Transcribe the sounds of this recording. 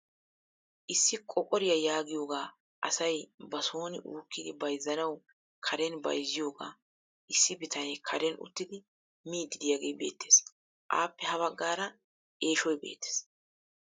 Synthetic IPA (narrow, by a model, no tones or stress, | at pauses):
ʔɪsːɪkʼɔkʼɔɾɪjɐjaːɡɪjo̞ːɡaː | ʔɐ̰sɐjbɐso̞ːnɪʔuːkːɪd̪ɪbɐjzːɐnɐw | kʰɐɾɛnbɐ̰jzːɪjo̞ːɡa̰ː | ʔɪsːɪbɪt̪ʰɐnɛjkʰɐɾɛnʊ̰t̪ːɪd̪ɪ | miːd̪ːɪd̪ɪjaːɡeːbe̞ːt̪ːe̞ːs | ʔa̰ːpːɛhɐβɐɡːaːɾɐ | ʔe̞ːʃɔjbe̞̰ːt̪ːe̥ːs